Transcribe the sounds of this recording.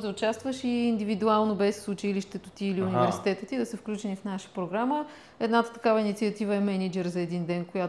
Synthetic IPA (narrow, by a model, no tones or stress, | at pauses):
d̪əʊt͡ʃast̪vəʃiːnd̪ivid̪ualˠnobɛsːʊt͡ʃiliʃt̪ɛt̪ot̪iːliunivɛɾsi̥t̪ɛt̪ət̪id̪ɐsəfklʲut͡ʃɛnifnaʃə̥pɾoɡɾamə | ɛd̪nat̪ə̥t̪ɐ̥kavəinit̪siɐt̪ivəɛmɛnid͡ʒɛɾzɐɛd̪ind̪ɛnkoja